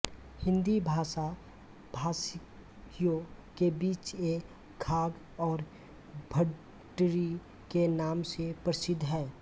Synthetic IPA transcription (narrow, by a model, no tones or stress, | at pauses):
hɪ̃nd̪ibʱaːsa | bʱaːs | jõ | kebiːt͡ʃe | ɡʰʱaːɡ | ɔːɾ | bʱə | ʈɾi | kenaːmsepɾəsɪd̪ʱːɦɛː